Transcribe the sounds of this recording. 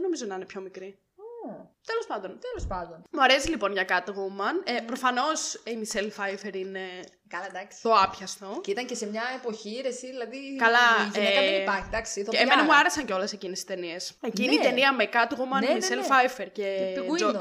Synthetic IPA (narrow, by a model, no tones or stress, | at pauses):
eno̞mizot̪ninepço̞mikɾi | ot̪elo̞spɐnd̪o̞nt̪elospɐnd̪onmuɐɾesilipo̞nʝɐkɐt̪oɣumɐnepɾo̞fɐno̞simiselfɐjfeɾine̞ | kɐlɐd̪ɐksi̥t̪o̞ɐpçɐst̪o̞cit̪ɐŋcesemɲɐepo̞çiɾesiðilɐðikɐlɐʝeɐeipɐɾçid̪ɐksiθoemenɐmuɐɾesɐɲceo̞le̞secinesi̥st̪eniesecinnit̪e̞niɐmekɐt̪iɣumɐnmiselfɐjfeɾce̞o